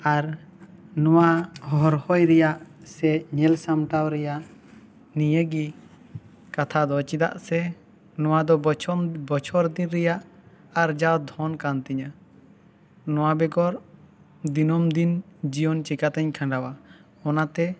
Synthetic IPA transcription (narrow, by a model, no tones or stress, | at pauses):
aɾ | nɔwahɔɔɾhɔjɾɛjaʔsɛɲɛlsamʈawɾɛjaʔ | nijəɡi | kat̪ʰad̪ɔt͡ʃid̪a̰ʔsɛ | nɔwad̪ɔbɔt͡ʃʰɔɾd̪inɾɛjaʔ | aɾd͡ʒawd̪ʱɔnkant̪ɛɲa | nɔwabɛɡɔɾ | d̪inɔmd̪ind͡ʒijɔnt͡ʃɛkat̪ɛɲkʰãɳɖawahɔnat̪ɛ